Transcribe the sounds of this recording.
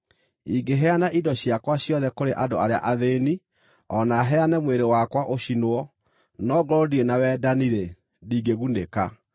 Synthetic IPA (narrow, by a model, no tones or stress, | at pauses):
iɡeɦɛanaʔidɔɕjakwaɕjɔðɛkoɾeʔadoaɾea̰ʔaðeːni | ɔnaɦɛanɛmweɾewakwaʔoɕinoɔ | nɔɡɔɾɔdienawɛːdaniɾe | diːɡeɣuneka